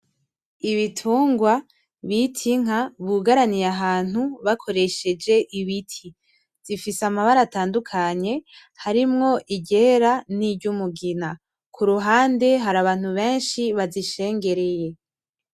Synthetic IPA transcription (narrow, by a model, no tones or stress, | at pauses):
iβitʰuːŋɡwa | βitʰiŋ̥aβuɡaɾanijaɦaːn̥uβakʰo̞ɾe̞ʃe̞d͡ʒe̞ʔiβitʰi | z̥ifisamaβaɾataːndukʰaɲe̞ | haɾimŋo̞ʔiɟe̞ɾanibɟumuɡina | kʰuɾuɦaːnde̞ɦaɾaβaːn̥huβe̞ːnʃiβaziʃe̞ːŋɡe̞ɾe̞je̞